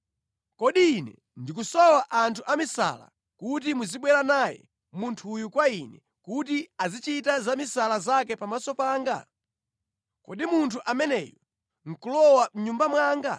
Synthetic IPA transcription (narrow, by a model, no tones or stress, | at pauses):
kɔɗiːnɛ̰ | ndik̬usɔwaʔantʰuʔamisa̰la̰ | kut̬imuziɓwɛɾanajɛ̰ | muntʰujukwainɛ | kutiazit͡ʃitazamisalazakɛpamasɔpaːŋɡa̰ | kɔ̰ɗimuntʰuʔamɛnɛːjɔ | ŋ̩kulɔwam̩ɲumbamwaːŋɡa̰